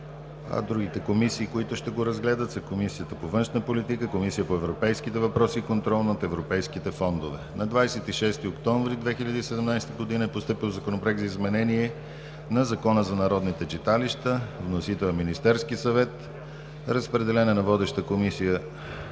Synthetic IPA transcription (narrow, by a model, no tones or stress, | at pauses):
ɐ̰d̪ɾuɡ̟it̪ɛkomisiːkoit̪ʊʃt̪ɛɡoɾɐzɡlɛd̪ət̪zɐkomisijət̪əpovɤnʃnəpolit̪ikəkomisijəpoɛvɾopɛjskit̪ɛvɐpɾɔsiːkont̪ɾɔlˠnɐot̪ɛvɾopɛjskit̪ɛfɔnd̪ovɛnɐd̪vajsɛt̪iʃɛst̪iokt̪ɔ̃ɱvɾid̪vɛxiʎʲəd̪iːsɛd̪ɛmnajst̪əɡod̪inəɛpost̪ɤpilˠzɐkonopɾɛɡzɐizmɛnɛniɛ | nɐzɐkɔnəzɐnɐɾɔd̪nit̪ɛt͡ʃit̪aliʃt̪əvnosit̪ɛminist̪ɛɾskisɐvɛt̪ | ɾəspɾɛd̪ɛlɛnɛnɐvɔd̪ɛʃt̪əkomisijə